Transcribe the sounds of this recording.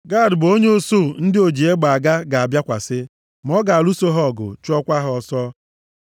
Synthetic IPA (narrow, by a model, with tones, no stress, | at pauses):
ɡa˦˨dbo˦ɲe˦o˦so˦˨n̩˦dɪ˦o˨d͡ʒi˨e˦ɡ͡ba˨a˨ɡa˦ɡa˨a˨bja˦kʷa˨sɪ˦ | m˨ɔ˦ɡa˨lu˦so˦ɦɔ˦˨ɡʊ̰˨t͡ʃɔ˦kʷa˦ɦʊ˨ɔ˨sɔ˦